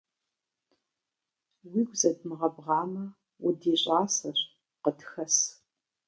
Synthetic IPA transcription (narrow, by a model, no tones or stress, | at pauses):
wiːɡʷzɐdmɨʁɐbʁɑːmɐ | wʊdiːɕʼaːsɐɕ | qətxɐs